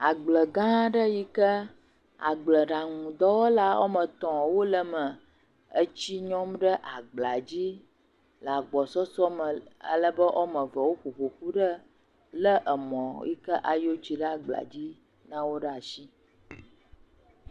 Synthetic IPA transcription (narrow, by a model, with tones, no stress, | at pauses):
a˨ɡ͡blə˨ɡã˦ɖə˦ji˦kə˦ | a̰˨ɡ͡blə˨ɖa˨ŋũ˨d̪ɔ˦wo˦la˦wo̰˦mə̃˨t̪ɔ̃˨wo˦lə˨mə˨ | ə˦t͡ɕi˦ɲɔ̃˦mɖə˦ʔa˨ɡ͡bla˨d͡ʑi˦ | la˨ɡ͡bɔ˨sɔ˦sɔ˦mə˨ə̰˨lə˦bə˦ʔɔ˦mə̃˨və˨wo˦ɸo˨ɸo˨xu˦ɖə˦ | lə˦ʔə˨mɔ̃˨jḭ˦kə˦ʔa˨jo˦t͡ɕi˨ɖə˦a˨ɡ͡bla̰˨d͡ʑi˦ | nã˦wo˦ɖə˦a˨ʃi˦